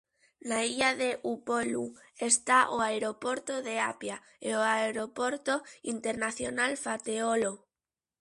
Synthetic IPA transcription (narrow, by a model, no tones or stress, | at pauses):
naiʎaðe̞ʔupolṵ | est̪aʔoaeɾo̞po̞ɾt̪oðe̞apja | eoaeɾopo̞ɾt̪oint̪e̞ɾnaθjo̞nalfat̪eolo